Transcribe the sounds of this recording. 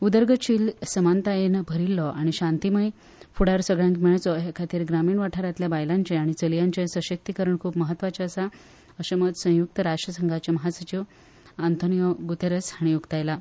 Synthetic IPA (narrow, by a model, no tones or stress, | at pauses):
ud̪əɾɡət͡ɕiːlsəmant̪ajenbʱəɾilːɔʔaɽ̃iɕãnt̪iməj | fuɽaɾsəɡɭjãŋkmɛɭat͡sɔɦekʰat̪iːɾɡɾamiːɳʋaʈʰaɾat̪ljabajlãɲt͡ɕeaɽ̃it͡səljãɲt͡ɕesəɕək̚t̪ikəɾəɳkʰuːpməɦət̪ːʋat͡ɕaəsa | əɕəmət̪sə̃juk̚t̪əɾaʂʈɾəsəŋɡʱat͡ɕaməɦasət͡ɕiʋ | ant̪ʰonijəɡut̪eɾəsaɽ̃ijuɡt̪ajla